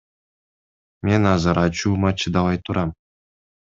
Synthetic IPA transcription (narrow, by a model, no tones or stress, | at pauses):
mʲenʲɑzɑɾʔɑt͡ɕumɑt͡ɕɯd̪ɑʋɑjt̪uɾʔɑm